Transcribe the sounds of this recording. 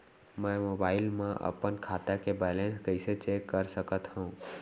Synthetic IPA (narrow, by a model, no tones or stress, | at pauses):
mɛ̃mobaːɪlmẽʔə̰pənkʰaːt̪akebɛːlẽnskəɪset͡ʃekːəɾsəkət̪ɦũ